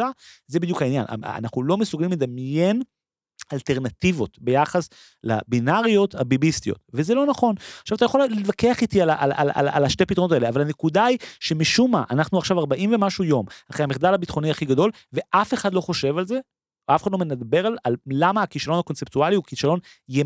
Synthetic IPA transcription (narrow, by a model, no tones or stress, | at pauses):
azebid̪jukainja̰na̰naχnulo̞mesuɡalimled̪amje̞n | alte̞ʁnat̪ivo̞t̪be̞jaχas | la̰binaʁijo̞t̪abibist̪ijo̞̰t̪vezelonaχo̞naχʃavat̪ajaχo̞llitvakeaχit̪ialaʔala̰la̰la̰laʃtepit̪ʁnotaeeavalhane̞kudaiʃemiʃumaʔa̰naχnuaχʃavaʁbaʔimve̞maʃujo̞maχʁehameχd̪alabit̪χo̞niaχiɡad̪o̞l | ve̞ʔafe̞χad̪lo̞χo̞ʃe̞valze̞ | afeχadlomenad̪be̞ʁalalːamaːkiʃalo̞nhako̞nt͡sept̪ualiukiʃalo̞n | je